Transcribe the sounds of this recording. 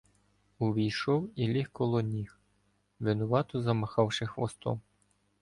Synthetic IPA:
ʊʋʲijʃɔwilʲixkɔlˠɔnʲix | ʋɪnɔʋɑt̪ɔzɐmɐxɑwʃɪxʋɔst̪ɔ̰m

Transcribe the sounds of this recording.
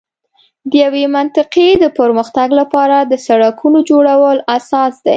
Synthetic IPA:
d̪əjawemant̪ɪqed̪əpəɾməxt̪aɡlapɑɾad̪əsaɽakʰunod͡ʒoɽawəlasɑsd̪a̰j

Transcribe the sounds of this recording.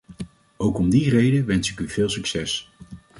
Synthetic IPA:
owkɔmdirejdəʋɛnsɪkyv̥ɪːlˠsyksɛs

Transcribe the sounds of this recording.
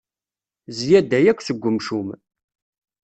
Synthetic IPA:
zjæd̪æjækʷːsəɡʷːəmʃum

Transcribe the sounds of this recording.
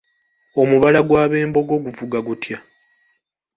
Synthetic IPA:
o̞muβalaɡwaːβe̞ːmbo̞ɡo̞ɡuvuɡaɡutja

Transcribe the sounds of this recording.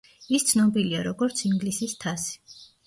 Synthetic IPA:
ist̪sʰnɔbiliaɾɔɡɔɾt̪sʰiŋɡlisist̪ʰasi̥

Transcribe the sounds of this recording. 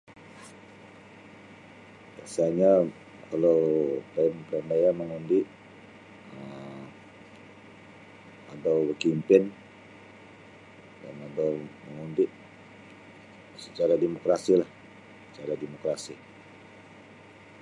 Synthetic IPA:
bia̰saɲa | kalolamplandajaməŋundɪʔ | əm | adawbəkimpɪn | da̰nadawməŋundɪʔ | sət͡ʃaɾademokɾasilah | sə̥t͡ʃaɾademokɾasi

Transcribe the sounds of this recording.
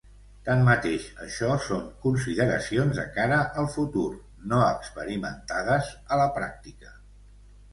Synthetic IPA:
t̪anmət̪eʃəʃɔsoŋkunsiðəɾə̰sionzðə̰kaɾəʔəlˠfut̪ur | noəkspəɾimənt̪að̞əzələpɾa̰k̚t̪ikə

